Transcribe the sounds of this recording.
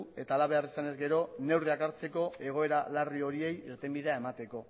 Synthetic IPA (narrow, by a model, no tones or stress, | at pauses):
e̞t̪aːlaβ̞e̞arisane̞zɡe̞ɾo̞ne̞wriakaɾt͡se̞ko̞e̞ɣ̞o̞e̞ɾalario̞ɾie̞jiɾt̪e̞mbiðe̞ae̞mat̪e̞ko̞